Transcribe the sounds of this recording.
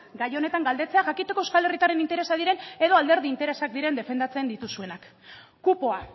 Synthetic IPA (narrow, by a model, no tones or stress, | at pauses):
ɡajo̞ne̞t̪aŋɡald̪e̞t͡se̞aʝakit̪e̞ko̞eskale̞rit̪aɾenint̪e̞ɾe̞sað̞iɾe̞ne̞ðo̞ald̪e̞ɾð̞iːnt̪e̞ɾe̞sak̚d̪iɾe̞nd̪e̞fe̞nd̪at͡se̞nd̪it̪usue̞nak | kupo̞a